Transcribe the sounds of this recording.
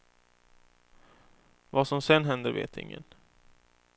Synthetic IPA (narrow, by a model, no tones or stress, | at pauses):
vasɔmsɛnːɦɛnd̪əvḛːt̪ɪ̰ŋːə̰n